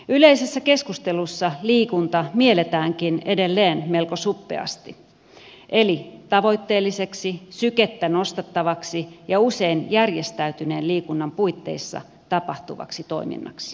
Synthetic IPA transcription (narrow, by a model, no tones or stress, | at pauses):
yle̞ise̞sːæke̞skust̪e̞lusːɑliːkunt̪ɑmielet̪æːŋkine̞de̞lːeːnme̞lko̞supːḛɑ̰st̪i | ʔe̞lit̪ɑʋo̞jt̪ːe̞ːlːise̞ksisyket̪ːæno̞st̪ɑt̪ːɑʋɑksijɑuse̞injærje̞st̪æyt̪yne̞ːnliːkunːɑmpuit̪ːe̞̰isːɑ̰ | t̪ɑpɑht̪uʋɑ̰ksit̪o̞imḭnːɑ̰ksi̥